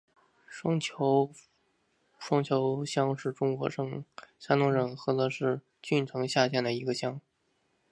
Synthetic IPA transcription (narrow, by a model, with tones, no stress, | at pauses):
ŋʰ˧˥ | ʂwɑ˥ŋt͡ɕʰjo˧˥ʊɕjɑ˥ŋʂɻ̩˥˩ʈ͡ʂʊ˥ŋkwɔ̰˧˥ʂɤ˥˩ŋʂa˥nʊ˧˥ŋɻə˨˩nxɤ˧˥d̪ə˧ʂɻ̩˥˧ | t͡ɕy˥˩nʈ͡ʂʰɤ˧˥ŋɕja˥˧t͡ɕʰjɛ˥˩nd̪ə˩i˧˥ɡə˧ɕjɑ˥ŋ